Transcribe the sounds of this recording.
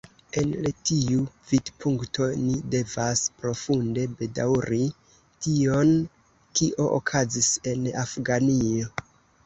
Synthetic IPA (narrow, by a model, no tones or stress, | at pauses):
e̞nletiuv̥idpʰuŋkto̞nide̞vaspɾo̞funde̞be̞da̰wɾi | tio̞n | kiʔo̞ʔo̰kʰazise̞nafɡanio̞